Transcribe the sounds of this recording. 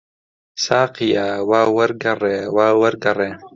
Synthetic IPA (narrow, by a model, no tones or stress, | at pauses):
saːqijaːwaːwɐɾɡɐreːwaːwɐɾɡɐreː